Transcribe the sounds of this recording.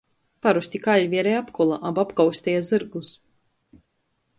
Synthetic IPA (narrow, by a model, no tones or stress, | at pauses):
paɾusʲt̪ʲikaʎʲvʲiɛɾɛjapkɔlˠaʔabapkawsʲt̪ʲɛjazɨɾɡus